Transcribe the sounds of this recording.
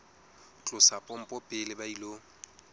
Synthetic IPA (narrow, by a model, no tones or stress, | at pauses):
t͡ɬʼʊsapʼɔm̩pʼɔpʼɪlɪbailo